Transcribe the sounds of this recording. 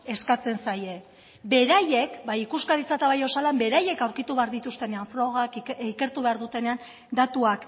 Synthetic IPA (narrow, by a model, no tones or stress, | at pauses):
e̞skat͡se̞nsaje̞ | be̞ɾaje̞kbajikuskaɾit͡sat̪aβajo̞salambe̞ɾaje̞kawɾkit̪uβe̞aɾðit̪ust̪e̞ne̞aɱfɾo̞ɣ̞akike̞ɾt̪uβe̞aɾðut̪e̞ne̞an | d̪at̪uak